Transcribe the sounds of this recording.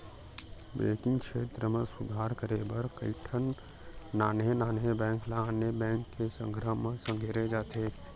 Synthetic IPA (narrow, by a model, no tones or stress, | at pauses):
bɛḛ̃ːkɪ̃ŋɡkʃeːt̪ɾəmẽsʊd̪ʱaːɾkəɾebəɾkəɪʈʰənː | aːnenaːnɦebɛ̃ːŋklaaːnebɛ̃ːŋkːesə̰̃ŋɡɾəmːẽsə̃ŋɡʱeːɾed͡ʒaːt̪ʰeː